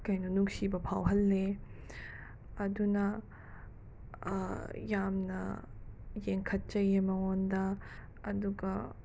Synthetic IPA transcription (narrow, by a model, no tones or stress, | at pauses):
kɐjnunuksibɐpʰawɦɐlːe | ɐdunɐ | jamnɐ̰ | jeŋkʰɐt̚t͡ʃɐjemɐŋondɐ | ɐduɡɐ